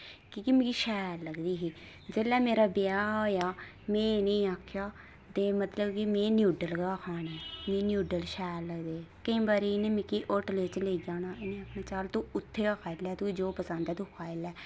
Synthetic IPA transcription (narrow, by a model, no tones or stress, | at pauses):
kiːkimĩkiʃɛːɾləɡd̪iːɦiː | d͡ʒeːlɛːmeːɾaːbɪaːɦoːjaː | mẽːnəːaːkʰjaː | t̪eːmət̪ləbkimẽːnjuːɖəlɡaːkʰaːneːmẽːnɪjuːɖəlʃɛːɾləɡd̪eːkəĩːbaːɾenẽːmɪkiːʔoʈleːt͡ʃleːiːd͡ʒaːnaːenẽːaːkʰnãːt͡ʃaːlt̪õːʊt̪ʰːeːaːkʰaːɪlɛːt̪uid͡ʒoːpəsə̃nd̪ɛːd̪uːkʰaːɪlɛː